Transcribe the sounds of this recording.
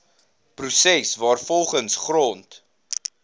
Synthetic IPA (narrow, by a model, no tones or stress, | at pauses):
prusɛsvɑːrfɔlˠχənsχrɔnt